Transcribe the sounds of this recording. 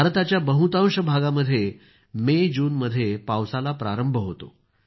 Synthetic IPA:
aɾt̪at͡ɕjabəɦut̪ãwɕəbʱaɡaməd̪ʱːje | med͡ʑuːnməd̪ʱːjepawsalapɾaɾəmbʱəɦot̪o̰

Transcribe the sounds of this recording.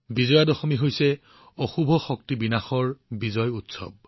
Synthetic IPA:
bizɔjadɔxɔmiɦojsɛ | ɔxubʱɔxɔk̚tibinaxɔɹbizɔjutsɔ̰b̚

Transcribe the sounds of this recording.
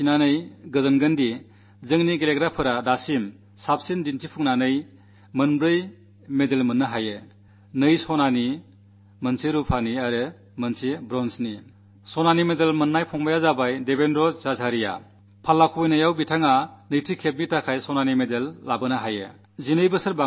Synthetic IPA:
inanɯjɡɯzɯnɡɯndi | zɯŋniɡeleɡɾapʰɯɾadasim | sap̚sindintʰipʰuŋnanɯj | mɯnbɾɯj | medelmɯnːɯɦajɯ | nɯjsɔnani | mɯnsiɾupʰaniaɾɯ | mɯnsibɾɔnsni | sɔnanimedelmɯnːajpʰɔŋbajazabajdebenɾɔt͡ʃazaɾija̰ | pʰalːakʰujnɯjawbitʰaŋanɯjtʰikʰep̚nitʰakʰajsɔnanimedelːabɯnaɦajɯ̰ | zinɯjbɯsɯɾba

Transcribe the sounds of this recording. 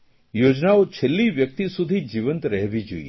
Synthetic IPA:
jod͡ʒnaot͡ʃʰelːiʋjək̚t̪isud̪ʱid͡ʒiʋənt̪ɾɛɦʋid͡ʒuḭ

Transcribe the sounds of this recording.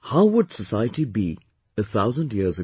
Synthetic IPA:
haʊwʊdsəsaɪəʈibi | əθaʊzə̃ndjizə

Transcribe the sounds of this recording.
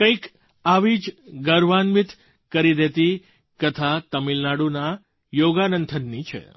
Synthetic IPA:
kə̃ĩk | aʋid͡ʒɡəɾʋanʋit̪ | kəɾid̪et̪i | kət̪ʰat̪əmilnaɽuna | joɡanənt̪ʰənːit͡ʃʰḛ

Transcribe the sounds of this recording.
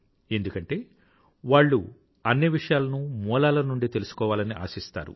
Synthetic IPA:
e̞nd̪ukɐɳʈe̞ː | ʋaːɭːu | ɐnːiʋiʂɐjaːlɐnumɔːlaːlɐnuɳɖit̪e̞lusu̥kɔːʋaːlɐniʔa̰ːsist̪a̰ːɾṵ

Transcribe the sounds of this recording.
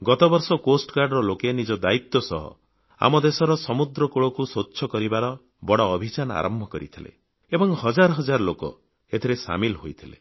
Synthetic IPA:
ɡɔt̪ɔbɔɾsɔkosʈɔ̥kaɾɖɔɾɔlokenid͡ʒɔd̪ait̪ːɔsɔɦɔ̰ | a̰mɔd̪esɔɾɔsɔmud̪ɾɔkuɭɔkusoːʃʰɔkɔɾibaɾɔ | bɔɽɔːbʱit͡ʃanɔa̰ɾʔɔmbʱɔkɔɾit̪ʰilḛ | ebɔŋɦɔd͡ʒaɾɔɦɔd͡ʒaɾɔlokɔ̰ | et̪ʰiɾesa̰milɦojt̪ʰilḛ

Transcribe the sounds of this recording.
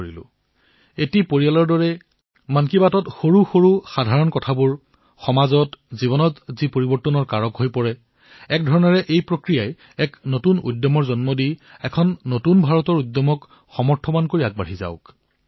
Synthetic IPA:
ɹilʊ̰̃ | etipoɹijalɔɹdɔɹɛ | mankibatɔtxoɹuxoɹuxadʱaɹɔnkɔtʰabʊɹ | xɔmazɔtziβɔnɔtzipoɹibɔɹtɔnɔɹkaɹɔkɦojpɔɹɛ | ɛk̚dʱɔɹɔnɔɹɛʔejpɹokɹijaj | ɛknotunṵjdjɔmɔɹzɔnmodiɛkʰɔnːotunbʱaɹɔtɔɹudːɔmɔk | xɔmɔɹtʰɔmankoɹiaɡ̚baɦiza̰ʊk

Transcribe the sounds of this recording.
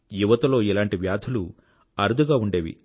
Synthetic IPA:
juʋɐt̪ɐlo̞ːilaːɳʈiʋjaːd̪ʰʱɐlu | ɐɾud̪ʱuɡaːuɳɖe̞ːʋḭ

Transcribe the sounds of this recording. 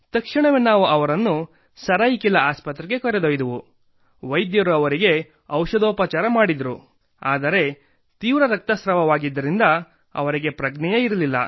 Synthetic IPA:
t̪ɐkʂiɳɐʋenaːʋuʔɐʋɐɾɐnːu | sɐɾaːjikilːɐaːspɐt̪ɾɛɡe̞kɐɾed̪oːjd̪ɐʋu | ʋɐjd̪jɐɾuɐʋɐɾiɡe̞ | ɐwʂɐd̪ɔːpat͡ʃaːɾɐmaːɽid̪ɾu | aːd̪ɐɾe̞ | t̪iːʋɾɐɾɐk̚t̪ɐsɾɐʋɐʋaːɡid̪ːɐɾind̪ɐ | ɐ̰ʋɐɾiɡe̞pɾɐɡɳɛjɐiɾɐlilːɐ̰

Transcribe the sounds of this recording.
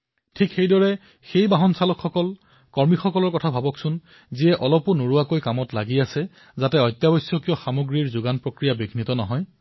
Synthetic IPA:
tʰikxejdɔɹɛ | xejbaɦɔnsalɔkxɔkɔl | kɔɹmixɔkɔlɔɹkɔtʰabʱabɔksʊn | ziɛʔɔlɔpʊnoɹuwakojkamɔtla̰ɡiasɛ | zatɛɔjt̪jabɔsjɔkijɔxamoɡɹiɹzʊɡanpɹokɹijabiɡnitɔnɔɦɔj

